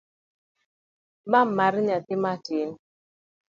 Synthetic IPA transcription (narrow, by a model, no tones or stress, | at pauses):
mamːaɾɲat̪ɪmatɪn